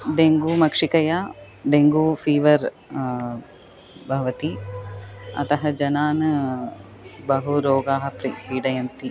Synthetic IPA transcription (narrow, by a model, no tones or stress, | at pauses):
ɖeŋɡuːmɐkʂikɐjaː | ɖeŋɡuːfʰiːʋɐɾ | bʱɐʋɐt̪i | ɐ̰t̪ɐɦɐd͡ʒɐnaːnɐ | bɐɦuɾoːɡaːɦɐpɾipiːɽɐjɐnt̪i